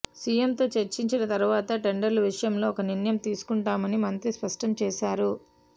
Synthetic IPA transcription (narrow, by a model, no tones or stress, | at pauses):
sijemt̪o̞ːt͡ʃeɾt͡ʃiɲt͡ʃinɐt̪ɐɾuʋaːt̪ɐʈeɳɖɐɾluʋiʂɐjɐmlo̞ːkɐninjɐmt̪iːsu̥kuɳʈaːmɐnimɐnt̪ɾispɐʂʈɐmt͡ʃɛːʃaːɾu